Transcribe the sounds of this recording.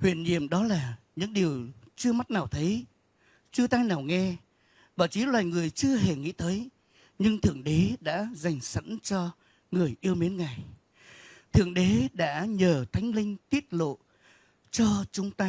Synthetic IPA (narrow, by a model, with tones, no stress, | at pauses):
hwḭ˧˨ənɲḭ˧˨əmɗɔ˨˦laː˨˩ɲɨ̰˧˥ŋɗi˨˩əwt͡ɕɨ˧əma˦˥t̚naː˨˩wt̪ʰə˨˦j | t͡ɕɨ˧ət̪aː˧jnaː˨˩wŋɛ˧ | ɓaː˧˩wt͡ɕi˨˦lwaː˨˩jŋɨ˨˩əjt͡ɕɨ˧əɦe˧˨˩ŋḭ˧˥t̪əː˨˦j | ɲɨ˧ŋt̪ʰɨ˧˩əŋɗe˨˦ɗa̰ː˧˥za˨˩jŋ̟sə̰˧˥nt͡ɕɔ˧ | ŋɨ˨˩əjʔi˧əwmi˨˦ənŋa˨˩j | t̪ʰɨ̰˧˩əŋɗe˨˦ɗa̰ː˧˥ɲəː˨˩t̪ʰa˨˦jŋ̟lï˧ŋ̟t̪i˦˥ət̚lo̰˧˨ | t͡ɕɔ˧t͡ɕʊ˨˦ŋ͡mt̪aː˧